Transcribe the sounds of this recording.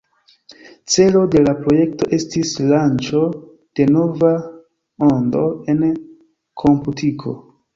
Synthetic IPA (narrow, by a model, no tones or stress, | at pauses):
t͡se̞lo̞de̞lapɾo̞je̞k̚to̞ʔe̞stislant͡ʃo̞ | d̥e̞no̞va | o̞ndo̞̰e̞n | kʰo̞mputikʰo̞̰